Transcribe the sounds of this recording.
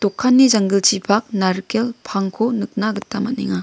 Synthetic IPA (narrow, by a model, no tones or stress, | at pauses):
tɔkʰːanːizaŋɡɯlt͡ʃipʰak̚naɾkelpʰaŋkʰonɯk̚naɡɯtːamanḛŋa